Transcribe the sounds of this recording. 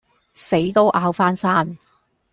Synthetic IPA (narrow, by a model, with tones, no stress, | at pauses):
se˨˥jt̪o˥wʔaː˧wfaː˥nsaː˥n